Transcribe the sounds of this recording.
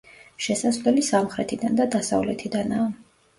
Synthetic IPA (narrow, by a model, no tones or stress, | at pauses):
ʃɛsasvlɛlisamχɾɛt̪ʰid̪and̪ad̪asa̰vlɛt̪ʰid̪anaː